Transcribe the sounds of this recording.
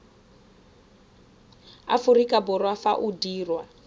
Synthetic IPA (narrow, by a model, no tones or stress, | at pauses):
a̰furikabɔrwafa̰ʔudiːrwa